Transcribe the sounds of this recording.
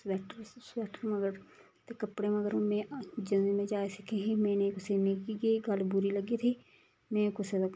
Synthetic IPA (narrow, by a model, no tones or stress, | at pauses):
swɛːʈəɾswɛːʈəɾmɐɡəɾ | t̪ekɐpɽeməɡəɾmẽd͡ʒɐnmẽd͡ʒaːesɪkʰeɦimɛ̃ːnekʊsemekiɡiɡɐlbʊɾiləɡit̪ʰi | mẽːkʊse